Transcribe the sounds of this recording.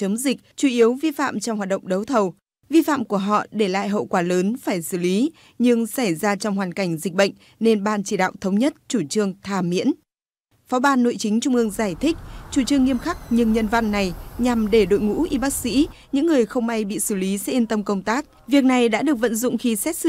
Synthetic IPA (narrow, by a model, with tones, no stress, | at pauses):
t͡ɕə˨˦mzï˨˩k̚t͡ɕu˧˩ʔi˨˦əwvi˧fa̰ː˧˨mt͡ɕɔ˧wŋ͡mhwaː˨˩t̚ɗə̰˧˨ŋ͡mɗə˨˦wt̪ʰə˨˩w | vi˧fa̰ː˧˨mku˧˩əɦɔ̰˧˨ɗe˧˩la̰ː˧˨jɦə̰˧˨wkwaː˧˩ləː˨˦nfaː˧˩jsɨ˧˩li˨˦ | ɲɨ˧ŋsa˧˩jzaː˧t͡ɕɔ˧wŋ͡mɦwaː˨˩nka˧˩jŋ̟zi˨˩k̟̚ɓə̰˧˨jŋ̟ | ne˧nɓaː˧nt͡ɕi˧˩ɗa̰ː˧˨wt̪ʰə˨˦wŋ͡mɲə˦˥t̚t͡ɕu˧˩t͡ɕɨ˧əŋt̪ʰaː˨˧˩mḭ˧˥ən | fɔ˨˦ɓaː˧nːo̰˧˨jt͡ɕï˨˦ŋ̟t͡ɕʊ˧ŋ͡mʔɨ˧əŋzaː˧˩jt̪ʰï˦˥k̚t͡ɕu˧˩t͡ɕɨ˧əŋːi˧əmxa˦˥k̚ɲɨ˧ŋɲə˧nva˧nːa˨˩jɲa˨˩mɗe˧˩ɗo̰˧˨jŋṵ˧˥ʔi˧ɓaː˦˥k̚sḭ˧˥ɲɨ̰˧˥ŋːɨ˨˩əjxə˧wŋ͡mʔa˧jɓḭ˧˨sɨ˧˩li˨˦sɛ̰˦˥i˧nt̪ə˧mkə˧wŋ͡mt̪aː˦˥k̚ | vi˨˩ək̚na˨˩jɗa̰ː˧˥ɗɨ˨˩ək̚və̰˧˨nzʊ̰˧˨ŋ͡mxi˧sɛ˦˥t̚sɨ˧